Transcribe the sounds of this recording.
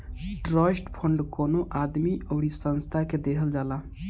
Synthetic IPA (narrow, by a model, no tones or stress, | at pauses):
ʈɾɔsʈpʰəɳɖkonoʔad̪miʔəʊɽisə̃nst̪ʰaked̪eɦəld͡ʒala